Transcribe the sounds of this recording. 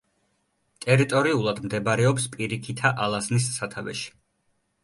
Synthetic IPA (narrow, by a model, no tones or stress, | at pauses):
t̪ʼɛɾit̪ʼɔɾiulˠad̪md̪ɛbɾɛɔpspʼiɾikʰit̪ʰaʔalˠaznis̬ːat̪ʰavɛ̰ʃi̥